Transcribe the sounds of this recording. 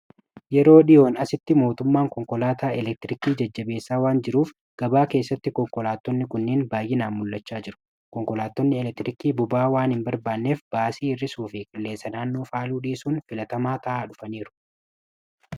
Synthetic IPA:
jɛɾo̞ːᶑɪjo̞ːnɐsɪt̪ːɪmo̞ːt̪ʊmːaːŋkɔŋkɔlaːt̪aːɛlɛk̚t̪ɪɾɪkiːd͡ʒɐd͡ʒːɐbe̞ːsːaːwaːnd͡ʒɪɾuːf | ɡ̥ɐbaːke̞ːsːɐt̪ːɪkɔŋkɔlaːt̪ːɔnːɪkʊnːiːnbaːjʔɪnaːnmʊlːɐt͡ʃːaːd͡ʒɪɾʊ̥ | kɔŋkɔlaːt̪ːɔnːɪɛlɛk̚t̪ɪɾɪkiːbʊbaːwaːnɪmbɐɾbaːnːe̞ːfb̥aːsiːɪrːɪsuːfɪkʼɪlːe̞ːsːɐnaːnːoːfaːluːᶑiːsuːnfɪlɐt̪ɐmaːt̪ɐʔaːᶑʊfɐniːɾʊ̥

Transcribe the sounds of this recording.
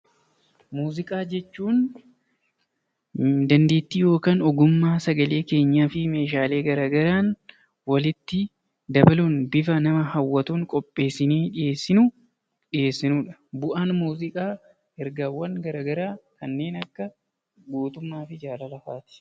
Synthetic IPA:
muːzɪkʼaːd͡ʒɛt͡ʃːuːn | d̪ɐnd̪e̞ːt̪ːijo̞ːkaːnɔɡʊmːaːsɐɡɐle̞ːke̞ːɲːaːfɪme̞ːʃ̬aːle̞ːɡɐɾaːɡɐɾaːn | wɐlɪt̪ːɪ | d̪ɐbɐluːnbɪfɐnɐmɐhɐwːɐt̪uːŋkʼɔpʼːe̞ːsːɪniːᶑɪje̞ːsːɪnu | ᶑɪje̞ːsːɪnuːᶑɐ̥bʊʔaːnmuːzɪkʼaː | ɛɾɡaːwːɐŋɡɐɾaːɡɐɾaːkɐnːe̞ːnɐkːɐ | ɡuːt̪ʊmːaːfɪd͡ʒaːlɐlɐfaːt̪ɪ̥

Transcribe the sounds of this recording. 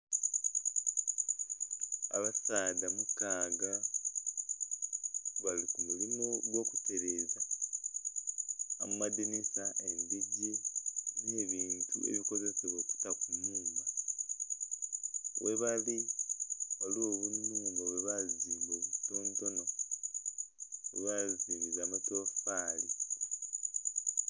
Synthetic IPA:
a̰βasaːdamukaːɡa | βalikumulimoɡwo̞ːkute̞ɾeːza | mumadinisaʔe̞ndiɟene̞ːβiːntṵḛβiko̞ze̞seβo̞ːku̥takujiːmba | wʔeβali | βalio̞βunuːmboβeβaziːmoːβito̞ːnto̞no̞ | weβaziβizaːmato̞faːli

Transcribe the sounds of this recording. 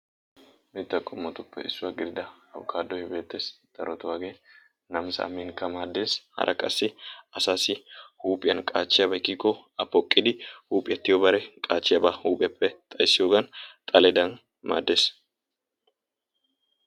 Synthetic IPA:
bet̪ːɐkʼːʊmːɐt̪ʊpːɛ̰ɪsːʊwaɡɪɾd̪ɐɐ̰bkʰaːd̪ːɔhɪbe̞ːt̪ːe̞ːsd̪̥ɐɾɔt̪ʊwaːɡeː | nɐmsɐ̰ʔɐmɪŋkɐmaːd̪ːe̞ːshɐ̰ɾʔɐkʼɐsːɪɐsaːsɪhuːpʼɪjɐnkʼaːt͡ʃːɪjɐbɐɪkːɪkːɔ | ɐpːɔkʼːɪd̪ɪhuːpʼɪjɐt̪ːɪjobɐɾɛkʼaːt͡ʃːɪjɐbahuːpʼɪɐpːɛt̪ʼɐjsːɪjoːɡɐnt̪ʼɐlɛd̪ɐn | ma̰ːd̪ːe̞ːs

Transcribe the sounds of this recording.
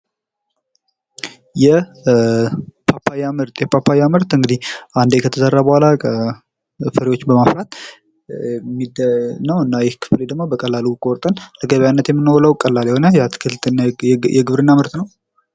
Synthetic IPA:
jɛ | pʰapʰːajamɨɾt̪ʼjɛpʰapʰːajamɨɾt̪ɨŋɡɨd̪ihʔand̪ejkʰət̪ʰəzərːabəhʷalakʰə | fəɾiwo̞t͡ʃːbəmaflat̪ | mːid̪nəwɨnːajɛhkʰɨ̥fled̪əɡmobəkʼəlːalukʼoɾt̪ʼənləɡəβjanːət̪jɛmːɨnːəwləwkʼəlːalɛhonəjat̪kʰɨlt̪njɛɡɨβɾɨnːamɨɾt̪ʼnəw

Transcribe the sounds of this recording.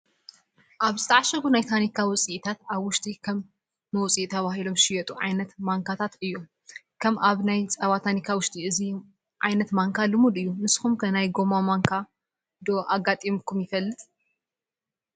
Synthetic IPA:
ʔaβzɨt̪ʰɐʕaʃɐɡunajt̪ʰanikʰawʊt͡sʼiʔt̪ʰat̪aβwʊʃt̪ʼikʰɐmː | ɐwt͡sʼit̪ʰːɐβahilomʃɪjɛt̪ʼuʕa̰jnɐt̪maŋkʰat̪ʰat̪ɨjːu | kʰɐmʔaβnajt͡sʼɐβat̪ʰanikʰawʊʃt̪ʼiɨzi | ʕajnɐt̪maŋkʰalɨmud̪ɨjːunɨsxumkʰɐnajɡo̞mamaŋkʰa | d̪o̞ʔaɡat̪ʼimkʰumjɪfɐlːɨt̪ʼ

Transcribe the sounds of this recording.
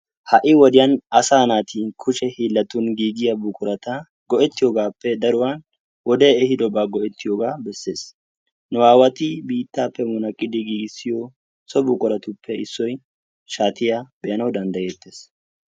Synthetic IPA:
hɐʔɪwɔd̪ɪjɐnɐsaːnaːt̪ʰikʰʊʃɛhiːlːɐt̪ʊnɡiːɡɪjɐbʊkʼʊɾɐt̪ɐ | ɡ̥ɔʔɛt̪ːɪjoːɡaːpːɛd̪ɐɾʊwan | wɔd̪eːɛhɪd̪ɔbaːɡɔʔɛt̪ːɪjoːɡaːbɛsːeːs | nʊwaːwɐt̪ɪbiːt̪ːaːpːɛmʊnɐkʼːɪd̪ɪɡiːɡɪsːɪjɔ | sɔbʊkʼʊɾɐt̪ʊpːɛɪsːɔj | ʃaːt̪ɪjabɛʔɐnɐwd̪ɐnd̪ɐjeːt̪ːeːs

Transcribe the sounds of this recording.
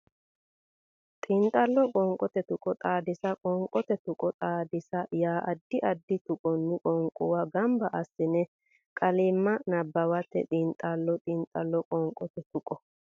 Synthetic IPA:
t̪ʼɪnt̪ʼːɐlːɔkʼɔŋkʼɔt̪ɛt̪ʊkʼɔt̪ʼaːd̪ɪsɐkʼɔŋkʼɔt̪ɛt̪ʊkʼɔt̪ʼaːd̪ɪsɐjaːʔɐd̪ːɪʔɐd̪ːɪt̪ʊkʼɔnːɪkʼɔŋkʼʊwɐɡɐmbɐʔɐsɪnɛ | kʼɐliːmːɐnɐbːɐwɐt̪ːɛ̰t̪ʼint̪ʼalːɔt̪ʼɪnt̪ʼɐlːɔkʼɔŋkʼːɔt̪ɛt̪ʊkʼɔ

